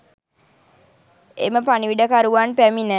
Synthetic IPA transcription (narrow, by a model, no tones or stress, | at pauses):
ḛməpaniʋiɖəkaɾuʋaːnpæminə